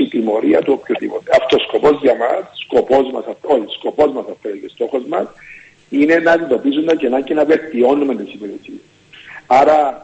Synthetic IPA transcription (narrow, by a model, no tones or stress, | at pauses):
it̪imo̞ɾiɐt̪uopçot̪ipot̪eɐft̪osko̞po̞zʝɐmɐsːko̞po̞zmɐ̰sɐft̪oçisko̞po̞zmɐsɐft̪ecest̪o̞xo̞zmɐs | ine̞nɐd̪id̪o̞pis̬und̪ɐcenɐcenɐve̞lt̪io̞nument̪isimeɾesies | aɾɐ